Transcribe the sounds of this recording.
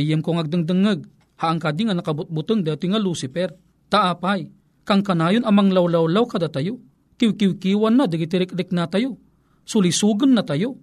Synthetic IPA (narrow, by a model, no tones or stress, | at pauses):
jɛmkoŋɐɡ̚d̪ɨŋd̪ɨŋɨɡ̚ | haʔːŋkad̪iŋanɐkabʊt̪̚bʊt̪ɨŋd̪at̪ʊŋaluːsɪpɛɾ | t̪aʔaːpaj | kaŋkanaːjonɐmaŋlawlawlawkad̪at̪ajo | kɪwkɪwkiːwanːad̪ɪɡɪt̪ɪɾɪk̚ɾɪk̚nat̪ajo | sʊlisuːɡʊnːat̪ajo